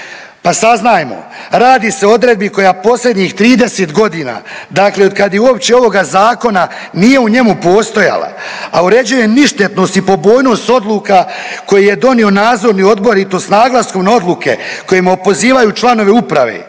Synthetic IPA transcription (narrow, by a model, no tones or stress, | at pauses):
pasaznaːjmo̞̰ɾaːd̪ise̞o̞d̪ɾe̞d̪̚biko̞japo̞ːsle̞d̪ɲixt̪ɾiːd̪e̞set̪ɡo̞d̪iːna̰ːd̪aːkle̞od̪̚kad̪jeuop̚t͡ɕe̞o̞ʋo̞ɡazaːko̞na | nije̞uɲe̞mupo̞ːst̪o̞ja̰la̰auɾe̞d͡ʑuje̞mniʃt̪e̞t̪no̞ːst̪ipo̞bo̞ːjno̞st̪o̞d̪lˠuːkako̞jije̞d̪o̞nio̞naːd̪zo̞ɾniːo̞d̪bo̞ɾit̪osnaːɡlˠasko̞mnao̞d̪lˠuke̞̰ko̞jemopo̞ziːʋajut͡ʃlˠano̞ʋe̞upɾaʋḛː